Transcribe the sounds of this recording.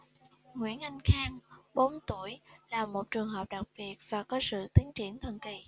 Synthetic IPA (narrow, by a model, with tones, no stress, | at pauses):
ŋwḭ˧˥ənʔa˧jŋ̟xaː˧ŋɓo˨˦nt̪u˧˩əjlaː˨˩mo˨˩t̚t͡ɕɨ˨˩əŋɦəː˨˩p̚ɗa˨˩k̚ɓi˨˩ət̚v̥aː˨˩kɔ˨˦sɨ̰˧˨t̪i˨˦əŋt͡ɕi˧˩ənt̪ʰə̰˧˨nki˨˩˨